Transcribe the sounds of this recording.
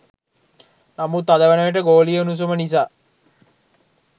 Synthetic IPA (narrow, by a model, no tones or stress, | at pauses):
namut̪ːad̪əʋənəʋeʈ̬əɡoːlijəunus̬omənis̬aː